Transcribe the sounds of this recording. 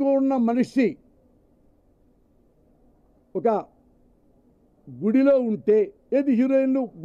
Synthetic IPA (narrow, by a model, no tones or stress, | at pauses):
onːɐmɐnuʂi | ɔkɐ | ɡuɽilo̞ːuɳʈeː | eːd̪iɦiɾejnluɡ